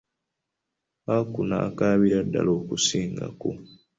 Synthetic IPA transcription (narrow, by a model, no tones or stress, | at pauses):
akuna̰ːkaːβiɾadːa̰loːkusiːŋɡa̰ku